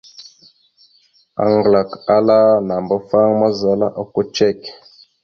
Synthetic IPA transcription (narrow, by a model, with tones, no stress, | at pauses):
a̰˨ŋɡla˨ka˦la˦na˨mba˦fa˦ŋma˦za˨la˦ʔa˨ko˦t͡ʃe˦˨k